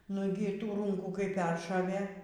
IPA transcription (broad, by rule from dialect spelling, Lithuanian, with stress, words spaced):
ˈnʊɡʲɪ ˈtuː ˈruːŋkuː kɐɪ ˈpʲɛrʃoːʋʲeː